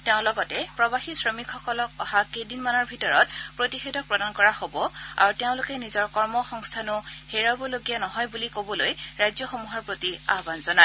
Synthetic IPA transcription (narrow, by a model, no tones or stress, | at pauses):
teʊ̃lɔɡɔtɛpɹɔbaxisɹɔmikʰxɔkɔlɔkɔhakejdinmanɔɹbʱitɔɹɔtpɹotixedɔk̚pɹɔdankɔɹahobɔa̰ɹuteʊ̃lʊkɛnizɔɹkɔɹmɔxɔŋstʰanʊheɹabɔloɡijanɔɦɔjbulikobɔlojɹajzɔxomuɦɔɹpɹotia̰ɦbanzɔna